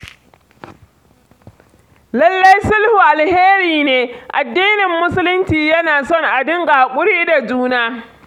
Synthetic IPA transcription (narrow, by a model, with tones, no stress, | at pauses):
lɐ˦lːɐ˦jsʊ˦lhu˨ʔa˨lheː˦ɾiː˨neː˦ʔa˨dːiː˦nɪ˨mːʊ˦sʊ˦lʊ˦nt͡ʃiː˨jɐ˦naː˨sɔ˦˨ŋʔa˨dɪ˦ŋɡaː˨kʷʼʊ˦ɽiː˦da˨d͡ʒuː˦naː˦